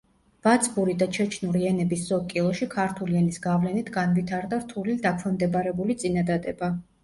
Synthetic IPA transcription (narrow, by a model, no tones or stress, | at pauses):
v̥at̪sʰʼbuɾid̪at͡ʃʰɛt͡ʃʰnuɾiɛnɛbisz̥ɔkʼilˠɔʃikʰaɾt̪ʰuliɛnisɡavlɛnit̪ʰɡanvit̪ʰaɾd̪aɾt̪ʰulid̪akʰvɛmd̪ɛbaɾɛbulit̪sʼinad̪ad̪ɛba